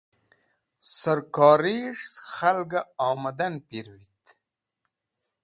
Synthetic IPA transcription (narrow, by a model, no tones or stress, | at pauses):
sɐɾkɑːɾiʂsxalɡaawmɐd̪anpiɾwit̪